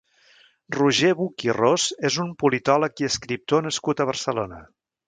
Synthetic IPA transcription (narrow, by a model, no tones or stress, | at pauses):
ruʒeβukirozezumpulit̪ɔləkiəskɾip̚t̪onəskut̪əβ̞ərsəlonə